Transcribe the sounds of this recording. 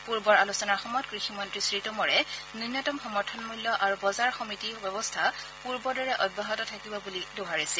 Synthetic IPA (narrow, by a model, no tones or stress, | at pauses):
puɹbɔɹalusɔnaɹxɔmɔtkɹiximɔntɹisɹitɔmɔɹɛnunːɔtɔmxɔmɔɹtʰɔnmuljɔʔaɹubɔzaɹxɔmitibɔbɔstʰa | puɹbɔdɔɹɛʔɔd̚bʱaɦɔtɔtʰakibɔbulidoɦaɹisɛ